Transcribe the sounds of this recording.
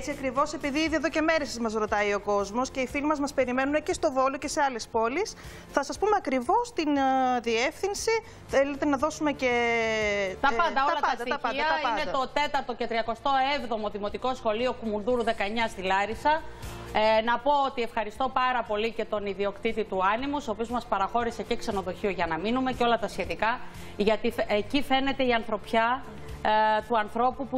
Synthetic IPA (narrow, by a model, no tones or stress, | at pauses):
t͡siɐkɾivo̞se̞piðiiðieðoce̞me̞ɾesɐzmɐzɾo̞t̪ɐio̞ko̞zmo̞sce̞ifilmɐzmɐspe̞ɾime̞nunecest̪o̞vo̞loce̞se̞ɐle̞spo̞lis | θɐsɐspumeɐkɾivo̞st̪inðiefθinsi | θele̞t̪e̞nɐðo̞sume̞ce | t̪ɐpɐnd̪ɐoɐlɐtpɐɐsd̪ɐt̪ɐɐid̪ɐt̪ɐiɐned̪tɐo̞t̪e̞t̪ɐɾt̪ocet̪ɾiɐko̞st̪o̞e̞vðo̞mo̞ðimo̞t̪iko̞sxo̞lio̞kumunðuɾuðe̞kɐeɲɐstilɐɾisɐ | nɐpo̞ot̪ie̞fxɐɾist̪o̞pɐɾɐpo̞lice̞t̪o̞niðio̞kt̪it̪it̪uɐnimusopio̞zmɐspɐɾɐxo̞ɾise̞ce̞kse̞no̞ðo̞çio̞ʝɐnɐminume̞ceo̞lɐt̪ɐsçe̞t̪ikɐ | ʝɐt̪ifecife̞ne̞t̪e̞iɐnθɾo̞pçɐ | t̪uɐnθɾo̞pupu